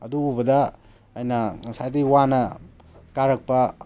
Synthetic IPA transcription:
ɐduːbɐdɐː | jnɐsajdiwanɐ | kaɾɐk̚pɐ

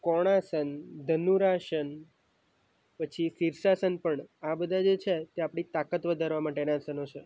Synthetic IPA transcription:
kɔɽ̃asənd̪ʱənuɾaʃən | pət͡ʃʰifiɾsasənpəɳabəd̪ʱad͡ʒet͡ʃʰet̪eapɽ̃it̪akət̪ʋəd̪ʱaɾʋamaʈenasənot͡ʃʰe

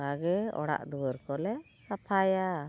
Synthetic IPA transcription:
aɡɛɔ̰ɽa̰ʔd̪uwəɾkɔlɛ | sapʰaja

